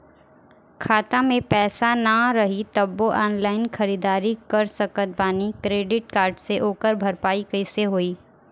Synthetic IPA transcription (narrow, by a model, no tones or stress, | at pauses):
kʰaːt̪ãmẽpɛːsanaɾɐɦit̪ɐbːoʔɔːnlaːɪnxɐɾiːd̪aːɾikɐɾsɐkət̪̚baːnikɾeːɖɪʈ̚kaːɾɖseʔoːkəɾbʱɐɾpaːikɐɪseɦoːiː